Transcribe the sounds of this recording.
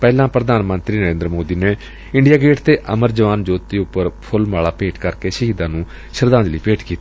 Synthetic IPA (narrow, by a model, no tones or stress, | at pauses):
pɛːlãːpɾəd̪aːnmə̃nt̪ɾiːnəɾẽːnd̪ɾmoːd̪iːneː | ɪ̃ɳɖijaːɡeːʈt̪eːʔəməɾd͡ʒəʋaːnd͡ʒoːt̪ːiːʊpːəɾpʰʊlmaːɭaːpeːʈkəɾkeːsəɦiːd̪ãːnũː | ʃəɾd̪ãːnd͡ʒliːpeːʈkiːt̪i̥ː